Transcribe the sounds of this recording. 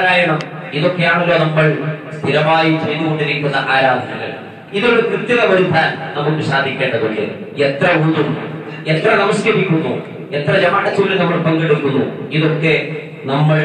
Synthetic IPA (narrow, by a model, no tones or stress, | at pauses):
ɾaːjɐɳɐm | iðokːejaːɳulːo̞ːnɐmːɐɭst̪ʰiɾɐmaːjit͡ɕe̞jðuɣo̞ɳɖiɾikʲːunːɐʔaːɾaːd̪ʱʰɐɣɐ̰ɭ | iðoɽukɾɨt̪jɐðɐʋɐɾut̪ːaːnnɐmːukːuɕaːd̪ʱikʲːeːɳɖɐðoɭːḛ | et̪rɐund̪um | et̪rɐnɐmɐskɐɾikʲːunːṵ | et̪rɐd͡ʑɐmaːɽɐt͡ɕːuːlilnɐmːɐɭpɐŋɡeɽukːunːṵiðo̞kːe̞ | nɐmːɐɭ